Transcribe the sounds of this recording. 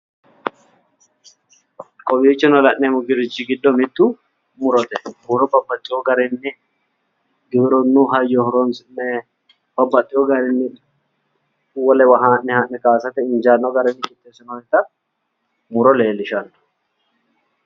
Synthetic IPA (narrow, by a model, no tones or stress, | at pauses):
kʼɔbiːt͡ʃːɪnɔlɐnːɛmʊɡɪɾɪd͡ʒɪɡɪd̪ːɔmɪt̪ːu | mʊɾɔt̪ɛhʊɾɔbɐbːɐt̪ʼːɪjɔɡɐɾɛnːɪ | ɡɪbɪɾɔnːuɦɐjːɔhʊɾɔnsɪnːɛ | b̥ɐbːɐt̪ʼːɪjɔɡɐɾɪnːɪ | wɔlɛwɐɦaːnnɛhanːɛkaːsɐt̪ɛɪnd͡ʒaːnːɔɡɐɾɛnːɪt͡ʃʼɪt̪ʼːeːsɔnɔɛt̪ɐ | mʊɾɔleːlɪʃɐnːʊ̥